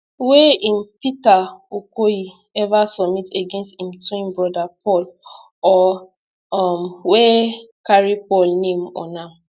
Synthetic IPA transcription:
weim̩pitaokoji | ɛvasɔmiteɡensthĩm̩tuĩmbɾɔdapɔl | ɔ | ɔm̩wekaɾipɔlnẽm̩ɔnam̩

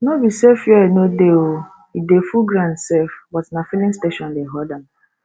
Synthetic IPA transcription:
nobisefjɔenodeo | idefuɡɾãnsɛfbɔtnafilĩsteʃɔ̃ndeɦɔdam

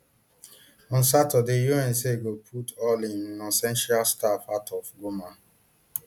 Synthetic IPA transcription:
ɔ̃nsatədejuɛ̃nseɡopʰutɔlĩnnɔ̃sɛ̃nʃalstafatɔfɡoma

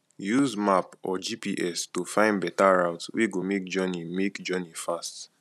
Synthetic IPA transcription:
juzmapɔd͡ʒipiʔɛstufãɪ̃ndbɛtaɹaʊtswiɡomek̚d͡ʒɔnimekd͡ʒɔnifast

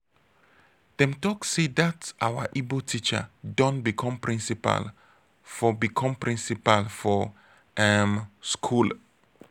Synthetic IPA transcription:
d̥ɛ̃mtɔksedatʔa̰wə̰ʔibotʰit͡ʃə̰dɔ̃ntbikʰɔ̃mpɹĩnsipa̰l | fɔbikʰɔ̃mpɹĩnsipalfɔ | ɛmskʰul

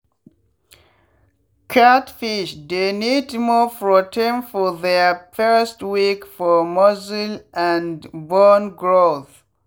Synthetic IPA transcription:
kʰatfiʃdenidmɔfɹɔtʰẽnfɔðɛfɜ˞stwikfɔmɔzilʔæ̃nbɔnɡɹoθ

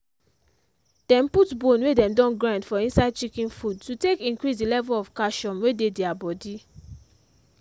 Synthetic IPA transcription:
d̥ɛ̃mputbõnwedɛ̃mdɔ̃nɡɹãntfɔĩnsaɪd̚t͡ʃikĩnfudtutekĩŋkɹisdilɛvulɔfkaʃɔ̃mwededɛabɔdi

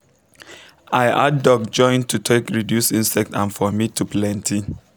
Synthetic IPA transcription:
aɪʔa̰ddɔkd͡ʒɔ̃ɪ̃ntʰutʰekɹidjusĩnsɛk̚tãnfɔmitʰuplɛ̃ntʰi

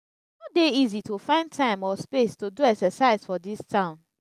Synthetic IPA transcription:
nodeizitofãɪ̃ndtʰãɪ̃mɔspestoduɛksəsaɪzfɔdistʰãʊ̃n

